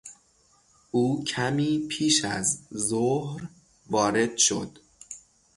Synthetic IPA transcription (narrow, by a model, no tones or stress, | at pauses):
ʔuːcʰæmiːpʰiːʃæ̰zzohɾ | vɒːɾe̞d̪̥ʃo̰d̪̥